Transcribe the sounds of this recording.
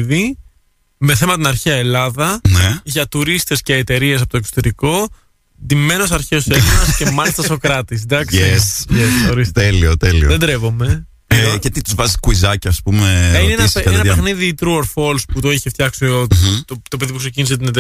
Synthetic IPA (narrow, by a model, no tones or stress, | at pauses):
ði | me̞θe̞mɐt̪inɐɾçiɐe̞lɐðɐneʝɐt̪uɾist̪e̞sce̞ːt̪e̞ɾies̬ɐpot̪oeso̥t̪eɾiko̞ | d̪ime̞nos̬ɐɾçeoseɐsce̞mɐlist̪ɐso̞kɾɐt̪is̬d̪ɐksesesxoɾist̪eliot̪elioðed̪ɾevo̞me̞ | cet̪it̪uzvɐzikuizɐciɐspumeineensenɐeɐxniðit̪ɾuoɾfo̞lsput̪oeçift̪çɐksiot̪t̪ot̪o̞peðipukse̞ciniset̪ine̞t̪e